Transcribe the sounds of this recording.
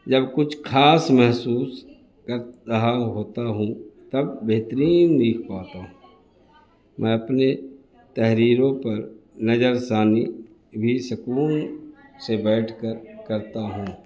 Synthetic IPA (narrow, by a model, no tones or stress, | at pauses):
d͡ʒəbkʊt͡ʃʰkʰaːsmɛɦsuːs | kəɾəɦaɦoːt̪aɦũt̪ɐbːeɦt̪əɾiːnd̪iːkʰpaːt̪aɦũː | mʔɛ̃ːɐpne | t̪ɛɦɾiːɾõpɐɾnəd͡ʒəɾsaːni | bʱisʊkuːnsebɛːʈʰkəɾkəɾt̪aɦũː